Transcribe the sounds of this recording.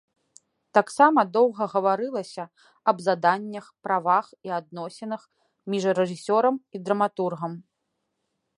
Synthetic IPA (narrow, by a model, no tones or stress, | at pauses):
t̪aksamɐd̪ɔwɣɐɣɐvaɾɨlˠɐsʲɐ | ɐbzad̪anʲːɐxpɾavaxiad̪̚nɔsʲɛnɐx | mʲiʐɾɛʐɨsʲɔɾɐmid̪ɾɐmat̪urɣɐm